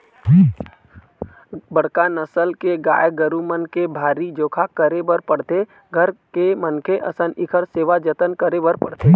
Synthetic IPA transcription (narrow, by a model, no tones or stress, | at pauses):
bəɽkanəsəlkeɡa̰ːjɡəɾumənkebʱaːɾid͡ʒoːkʰakəɾebəɾpəɽt̪e | ɡʱəɾkemənkʰeʔə̰sənʔɪkʰəɾseːʋad͡ʒət̪ənkəɾebəɾpəɽt̪e